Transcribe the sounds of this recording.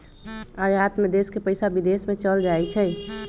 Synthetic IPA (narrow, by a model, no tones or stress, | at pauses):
aɾaːt̪med̪eːskepəɪsabid̪eːsmẽt͡ʃəld͡ʒaːɛt͡ʃʰɛ